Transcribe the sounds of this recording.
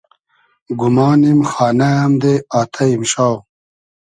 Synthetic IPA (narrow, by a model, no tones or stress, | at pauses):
ɡumɑːnimxaːnaɐmd̪eaːt̪ʰɐimɕaːw